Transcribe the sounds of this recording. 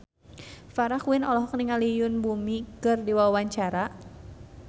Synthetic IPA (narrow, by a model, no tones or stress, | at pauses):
faɾakwinɔlɔɦɔk̚niŋalijʊnbumikɨrdiwawaɲt͡ʃaɾa